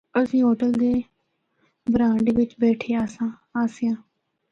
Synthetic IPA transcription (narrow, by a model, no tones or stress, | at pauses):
əsĩːɦoːʈəld̪eː | bɾãːɳɖʋɪt͡ʃbɛːʈʰeːaːsãː | aːsɪjãː